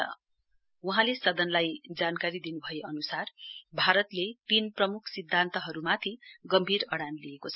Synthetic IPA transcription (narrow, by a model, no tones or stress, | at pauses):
ʌ̰ | uɦãlesʌd̪ʌnlajd͡zankaɾid̪inubʱʌjeʌnusarbʱaɾʌt̪lepinprʌmukʰsid̪ʱːant̪ʌɦʌɾumat̪ʰiɡʌmbʱiɾʌɽanliekot͡sʰʌ